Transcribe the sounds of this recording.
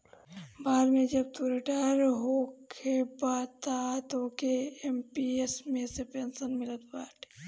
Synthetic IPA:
baːɾmẽd͡ʒɐbt̪uɾeʈaːɾɦokʰebaːt̪at̪okeempiesmẽsepeːnsənmɪlət̪baːʈ

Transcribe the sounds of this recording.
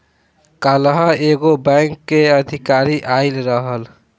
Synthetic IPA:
kalɦəeɡobaŋkːeəd̪ʱikaɾiʔaɪlɾəɦəl

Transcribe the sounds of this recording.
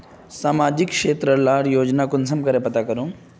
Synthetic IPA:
saːmad͡ʒikʂeːt̪ɾəlaːɽjoːd͡ʒnakunsɐmkəɾepɐt̪akəɾũ

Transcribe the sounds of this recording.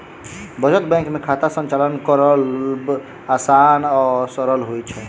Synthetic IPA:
bəd͡ʒət̪bɛ̃kmekʰat̪asənt͡ʃalənkəɾəlb | asanɔsəɾəlɦojt͡ʃʰɛ

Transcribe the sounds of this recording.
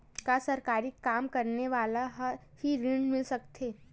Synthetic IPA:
kasɐɾkaːɾɪkːaːmkɐɾneʋaːlaɦhiɾɪɳɖmɪlsɐkt̪ʰeː

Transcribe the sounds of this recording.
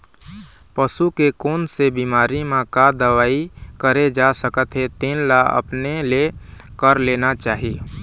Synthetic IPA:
pəsukekoːnsebiːmaːɾimẽkad̪əʋaːikəɾed͡ʒasəkət̪ɦet̪eːnlaə̰pnelekəɾleːnat͡ʃaːɦie

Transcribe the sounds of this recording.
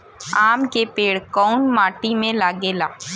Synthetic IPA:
aːmkepeːɽkɔːʊnmaːʈimẽlaːɡelaː

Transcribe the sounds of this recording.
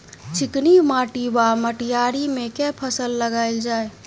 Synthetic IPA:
t͡ʃʰɪknimãːʈibaməʈijaɾimẽkɛpʰəsəlːəɡaːɪld͡ʒaːe

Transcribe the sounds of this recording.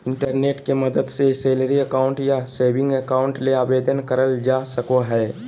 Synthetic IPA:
ɪ̃ɳʈəɾneːʈkemɐd̪əd̪seseːləɾiəkaːʊ̃ɳʈjaseːʋɪ̃ŋɡəkaːʊ̃ɳʈleaːbeːd̪ənkɐɾəld͡ʒaːsəkoɦɛː

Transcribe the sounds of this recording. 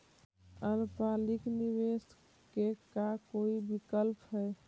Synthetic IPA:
əɾpalikniʋes | kekakoibikəlpɦɛ

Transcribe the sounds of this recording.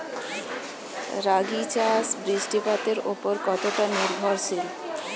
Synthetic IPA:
ɾaɡit͡ɕasbɾiʃʈipat̪eɾopoɾkɔt̪oʈaniɾbʱɔɾʃʰil

